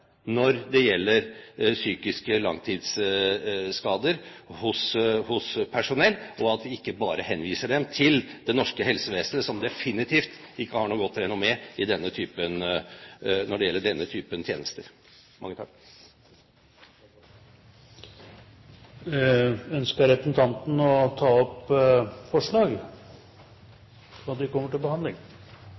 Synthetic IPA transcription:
nɔɾd̪ɛjɛlːəɾsyːkɪskəlɑ̰ŋt̪ʰiːd̪s | skɑːd̪əɾhʊshʊspʰæʂʊnɛlːɔɑt̪ʋɪɪkːəbɑːɾəhɛnːʋiːsəɖɛmt̪ʰɪld̪ɛnɔʂkəɦɛlsəʋeːsənəsɔmd̪ɛfɪnɪt̪ʰiːft̪ɪkːəhɑɳuːɡɔt̪ːɾɛnʊmɛɪd̪ɛnːət̪ʰyːpən | nɔɖɛjɛlːəɖɛnːət̪ʰyːpənt̪ʰjḛːnəst̪əɾ | mɑŋːət̪ʰɑ̰k | œnskəɾɛpəsn̩t̪ʰɑnt̪n̩ɔt̪ʰɑːɔp | fɔʂɭɑːɡ | ɑt̪d̪ɪkɔmːəʈɪlbəhɑnd̪ɪŋ

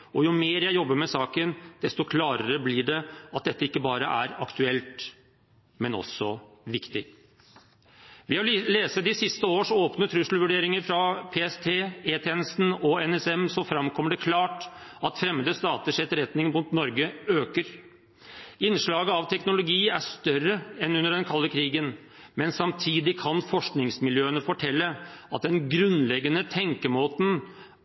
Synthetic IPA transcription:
ɔjʊmeːɾjæɪjɔbːəɾmɛsɑːkənd̪̥ɛst̪ɔkʰlɑːɾəɾəblɪɖɛɑt̪̚d̪ɛt̪ːəɪkːəbɑːɾəʔæ̰ɾɑ̰kt̪ʉɛlt̪ | mɛnɔ̰sːɔ | ʋɪkt̪ɪ | ʋɪɑleːsəd̪ɪsɪst̪əoːʂoːpnət̪ʰɾʉʂl̩ʋʉɖeːɾɪŋəɾfɾɑpʰeːɛst̪ʰeːeːt̪ʰɛnəst̪n̩ɔɛnɛsɛmsɔfɾɑmkʰɔmːəɖɛkʰlɑːʈɑt̪fɾɛmːəd̪əst̪ɑːt̪əʂɛt̪ːəɾɛt̪nɪŋmʊnt̪nɔɾɡəøːkəɾ | ɪnʂɭɑːɡəɑʋt̪ʰɛknʊlʊɡiːæʂt̪œrːəɛnʉnːəɖɛnkʰɑlːəkʰɾiːɡən | mɛnsɑmt̪ʰiːd̪ɪkʰɑnfɔʂknɪŋsmɪljøːənəfɔʈʰɛlːəɑt̪̚d̪ɛnɡɾʉnlɛɡːənət̪ʰɛŋkəmoːt̪n̩

